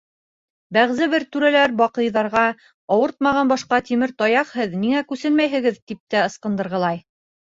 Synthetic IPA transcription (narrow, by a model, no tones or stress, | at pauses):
bæʁzɘβɘɾt̪ʉɾælæɾbɑqɤ̆jðɑɾʁɑ | ɑwɤɾt̪̚mɑʁɑnbɑʃqɑt̪imɘɾt̪ɑjɑqhɤðniŋækʉsɘnmæjɦɘ̆ɡɘðt̪ip̚t̪æɤ̆sqɤ̆nd̪ɤ̆ɾʁɤ̆lˠɑj